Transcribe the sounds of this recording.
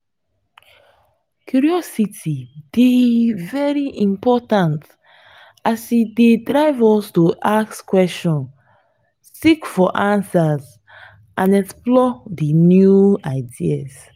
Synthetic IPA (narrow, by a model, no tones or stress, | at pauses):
kjuɹiɔsitʰid̥evɛɹiʔĩmpɔtãnt | asidedɹaɪvɔstoʔakskwɛst͡ʃɔ̃n | sikfɔʔãnsaz | ãnɛksplɔdinjuaɪdias